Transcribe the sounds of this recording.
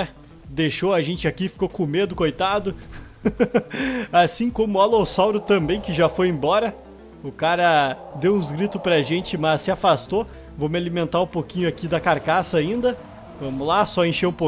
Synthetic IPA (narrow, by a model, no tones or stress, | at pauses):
d̪eʃoɐʒẽnt͡ʃɪakifi̥kokõmed̪ʊkojt̪ad̪ʊ | asĩkõmʊalosawɾʊt̪ɐ̃mbẽj̃kɪʒafojẽbɔɾɐ | ʊkaɾɐd̪ewũzɡɾit̪ʊspɾɐʒẽnt͡ʃɪmɐsːɪafast̪o | vomɪalimẽnt̪aɾũpokĩɲʊakid̪ɐkaɾkasɐaĩnd̪ɐ | vɐ̃mʊlasɔẽʃeũpo